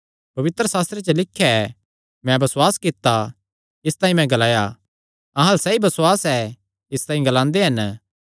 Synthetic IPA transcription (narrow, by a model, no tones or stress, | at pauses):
pɐʋɪt̪ɾəsaːst̪ɾet͡ʃəlɪkʰːjaɛ | mɛ̃bɐswaːskɪt̪ːa | ɪst̪aːĩmɛ̃ɡɐlaːja | ɐ̃ɦãlsɛibɐswaːsɛ | ɪst̪ãːĩɡɐlãːnd̪eɦɐn